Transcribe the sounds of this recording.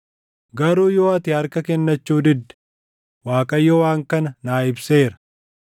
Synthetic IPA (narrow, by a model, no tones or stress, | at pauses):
ɡɐɾuːjoːɐt̪ɪhɐɾkɐkɛnːɐt͡ʃːuːd̪ɪd̪ːɛ̥ | waːkʼɐjːɔwaːŋkɐnɐnaːɪbseːɾɐ̥